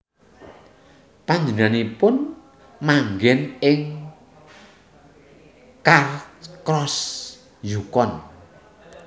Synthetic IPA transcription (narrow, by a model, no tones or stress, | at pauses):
paɲd͡ʒənanipʊn | maŋɡɛnɪŋ | karkɾɔs | jukɔn